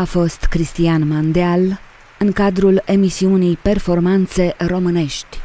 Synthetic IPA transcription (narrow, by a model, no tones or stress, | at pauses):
afo̞st̪kɾist̪ianmand̪eal | ɨŋkad̪ɾule̞misiunijpe̞rfo̞rmant̪se̞ro̞mɨne̞ʃt̪ʲ